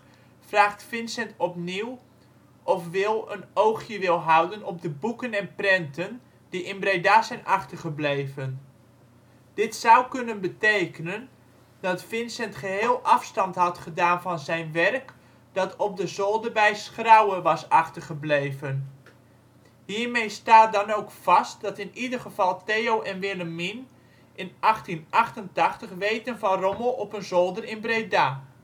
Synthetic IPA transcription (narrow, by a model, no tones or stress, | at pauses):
fraːχtfɪnsɛntɔpniw | ʔɔfʋɪlˠənowχjəʋɪlˠɦʌwdənɔb̚dəbukənɛnprɛntən | diʔɪnbrejdaːzɛjnʔɑχtəɹχəblejvən | d̥ɪtsawkɵnənbətejkənən | dɑtfɪnsɛntχəɦɪːlˠʔɑfstɑntɦɑtχədaːnvɑnzɛjnʋɛrk | d̥ɑtʰɔp̚dəzolˠdərbɛjsχrawəʋɑsɑχtərχəblejvən | ɦiːɹmejstaːt̚dɑnoːkfɑst̚dɑtɪnidərχəv̥ɑlˠtejowʔɛnʋɪləmin | ʔɪnʔɑχtinʔɑχtəntɑχtəχʋejtənvɑnrɔməlˠʔɔpənzolˠdərɪnbredaː